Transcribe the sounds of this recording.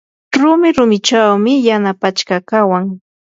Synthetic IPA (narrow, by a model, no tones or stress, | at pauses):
ɾʊmɪɾʊmɪt͡ʃawmɪjanapat͡ʃkakawaŋ